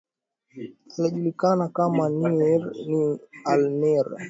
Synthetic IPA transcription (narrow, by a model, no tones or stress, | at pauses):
inaʄulikanakamaniɛɾnialnɛɾ